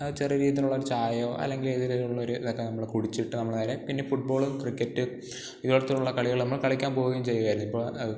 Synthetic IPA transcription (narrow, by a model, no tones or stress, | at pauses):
ɐt͡ɕirɐɾiːit̪̬ːiluɭːɐoɾut͡ɕaːjoːʔɐ̰lːe̞ŋɡileðiɾuɭːɐoɾuiðokːenɐmːɐɭkuɽit͡ɕːiʈːɨnɐmːɐnɐːɾepinːe̞fuʈ̚bo̞ːɭumkrikʲːɐtːɨ | iðuɽɐt̪ːiʈːuɭːɐkɐɭiɣɐɭnɐmːɐɭkɐɭikʲːaːnpo̞ːɣɐjumt͡ɕe̞jːuɣaːɾunːipːoːɭɐɨ